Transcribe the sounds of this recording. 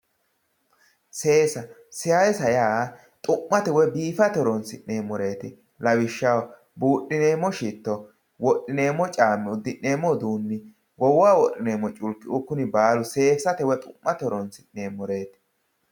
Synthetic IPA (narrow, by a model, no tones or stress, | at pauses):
se̞ːsɐsɪɐwɛsɐjaː | t̪ʼʊmːɐt̪ɛwɛbiːfɐt̪ɔɾɔnsɪʔneːmːɔɾe̞ːt̪ɪ | lɐwɪʃːɐw | buːʔːɪne̞ːmːɔʃɪt̪ːɔ | wɔɗːɪne̞ːmːɔt͡ʃʼaːmːɛʊd̪ːɪʔːe̞ːmːɔd̪uːnːɪ | wɔwaːwɔʔːɪne̞ːmːɔt͡ʃʼʊlkːɪʔʊkːʊnɪbaːlʊse̞ːfsɐt̪ɛwɛt̪ʼʊʔːɐt̪ɔɾɔnsɪnneːmɔɾe̞ːt̪ɪ̥